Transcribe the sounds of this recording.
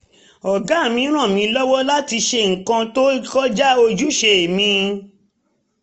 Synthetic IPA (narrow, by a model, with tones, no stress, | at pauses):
ɔ˨ɡa˨˦˨mĩ˨˧˦ɾ̃ã˦˨mĩ˧˦lɔ˦wɔ˦la˦ti˧ʃe˧ŋ̩˨kã˧to˦i˦kɔ˦d͡ʒa˦o˧d͡ʒu˦ʃe˧e˨mĩ˧